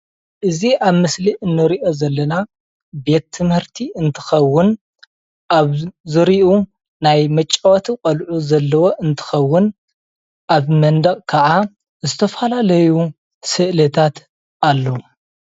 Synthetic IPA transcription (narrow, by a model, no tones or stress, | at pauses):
ʔɨziʔaβmɨsliʔɨnːɨɾiʔo̞zɐlːɐna | be̞t̪ʰːɨmhɨɾt̪ʰiʔɨnt̪ʰɨ̥xɐwːʊn | ʔaβzɨɾiʔu | najmɐt͡ʃʼːɐwɐt̪ʰiqʼɐlʕuzɐlːɐwo̞ʔɨnt̪ʰɨ̥xɐwːʊn | ʔaβmɐnd̪ɐkʼkʰɐʕa | zɨt̪ʰɐfɐlalɐju | sɨʔlɐt̪ʰat̪ | ʔalːɐwu